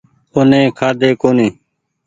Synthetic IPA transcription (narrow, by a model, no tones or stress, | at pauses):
onẽːkʰaːd̪eːkoːnĩː